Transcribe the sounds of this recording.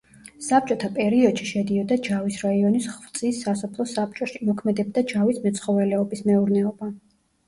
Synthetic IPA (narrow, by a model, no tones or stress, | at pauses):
sap̚t͡ʃʼɔt̪ʰapʼɛɾiɔd̪̥ʃiʃɛd̪iɔd̪ad͡ʒavisɾaiɔnisχvt̪sʼisːasɔpʰlˠɔsap̚t͡ʃʼɔʃimɔkʰmɛd̪ɛb̚d̪ad͡ʒavismɛt̪sʰχɔvɛlɛɔbismɛuɾnɛɔba